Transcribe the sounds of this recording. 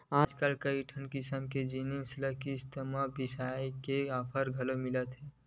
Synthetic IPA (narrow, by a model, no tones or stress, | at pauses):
aːd͡ʒkalkəiʈʰənkisəmked͡ʒininsləkist̪əmabisaikeapʰəɾɡʱəlomilət̪ɦɛː